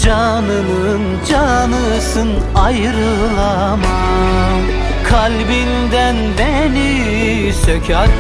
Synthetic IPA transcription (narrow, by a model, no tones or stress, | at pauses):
d͡ʒa | nɯnɯ | n | d͡ʒanɯ | sɯnajɯɾɯlˠa | ma | m | kʰalʲbind̪ænbɛni | ʃɛcʰaɾ